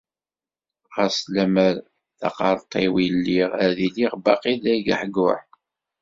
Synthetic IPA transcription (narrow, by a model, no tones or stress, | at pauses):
ʁæslæməɾ | θɑ̰qɑɾˤt̪ˤʰːiwilːiʁæðiliʁbɑ̰qilːæjɡəħɡʊħ